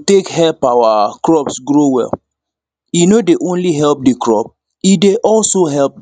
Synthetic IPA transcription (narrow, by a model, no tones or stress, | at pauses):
tekhɛlpawakɹɔpsɡɹowɛ̰l | jinodeʔõnliɦɛlp̚dikɹɔp̚ | ideʔɔlsoɦɛlp̚